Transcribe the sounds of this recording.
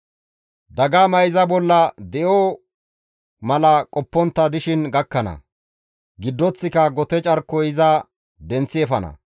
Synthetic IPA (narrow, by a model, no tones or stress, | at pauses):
d̪ɐɡamɐjzɐbɔlːɐd̪ɛʔo | mɐlɐkʼɔpːɔnt̪ːɐd̪ɪʃɪnɡɐkːɐnɐ̰ | ɡɪd̪ːɔt͡sːɪkɐɡɔt̪ɛt͡ʃʼɐɾkːɔɪzɐ | d̪ɛnt͡sːɪɛfɐnɐ̰